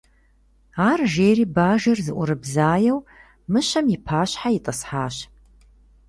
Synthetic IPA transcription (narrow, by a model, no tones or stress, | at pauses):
aːrʒeːɾiːbaːʒɐrzɨʔʷʊɾɨbzaːjɛw | mɨɕɐmjɪpʰaːɕħajitʼɐsħaːɕ